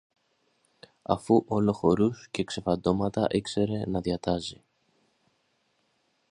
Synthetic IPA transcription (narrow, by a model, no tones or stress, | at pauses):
ɐ̰fuʔo̞lo̞xo̞ɾusce̞kse̞fɐd̪o̞mɐt̪ɐʔekse̞ɾe̞nɐðiɐt̪ɐzi